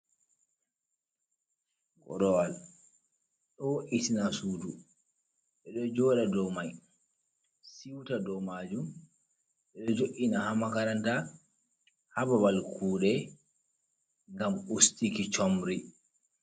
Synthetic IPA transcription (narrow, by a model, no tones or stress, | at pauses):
kɔ̰ɗɔwal | ɗɔwʔitinasuːdu | ɓɛɗɔd͡ʒɔːɗadɔwmaj | siwtadɔmaːd͡ʒum | ɓɛɗɔd͡ʒoʔinahamakaɾanta | hababalkʰuːɗɛ | ŋɡamustikit͡ʃɔmɾi